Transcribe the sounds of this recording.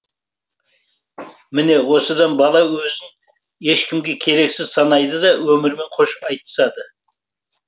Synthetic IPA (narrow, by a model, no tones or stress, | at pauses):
mɪne̞wo̞səd̪ɑnbɑlˠɑwɵzɪn | je̞ʃkʲʰɪmɡʲe̞kʲʰe̞ɾe̞ksɪz̥sɑnɑjd̪əd̪ɑwɵmɪɾme̞ɴqʰo̞ʃɑjt̪ə̥sɑd̪ə